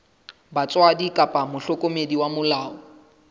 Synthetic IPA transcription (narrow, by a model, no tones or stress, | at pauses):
bat͡sʼwadikʼapʼamʊɬɔkʼomediwamʊlaːɔ